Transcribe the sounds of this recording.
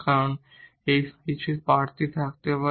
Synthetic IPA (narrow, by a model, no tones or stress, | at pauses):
kaɾon | ejskit͡ɕʰipaɾt̪it̪ʰak̚t̪epa